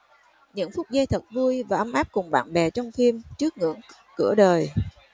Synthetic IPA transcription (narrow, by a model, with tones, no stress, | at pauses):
ɲɨ̰˧˥ŋfʊ˦˥k͡p̚zaː˧jt̪ʰə˨˩t̚vu˧jvaː˨˩ʔə˧mʔaː˦˥p̚kʊ˨˩ŋ͡mɓa̰ː˧˨nɓɛ˨˩t͡ɕɔ˧wŋ͡mfi˧mt͡ɕɨ˦˥ək̚ŋɨ̰˧˥əŋ | kɨ̰˧˩əɗəː˨˩j